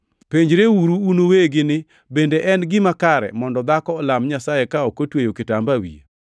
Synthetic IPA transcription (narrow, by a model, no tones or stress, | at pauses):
peɲd͡ʒɾewuɾuːnoweɡɪnɪ | bendeʔɛnɡɪmakaɾɛ̰mɔndɔd̪akɔːlamɲasajekaɔkotwejokɪtambawḭḛ